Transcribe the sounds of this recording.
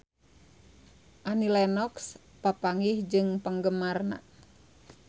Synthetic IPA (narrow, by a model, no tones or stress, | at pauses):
ʔanilɛnɔks | papaŋihd͡ʒɨŋpəŋɡəmarna̰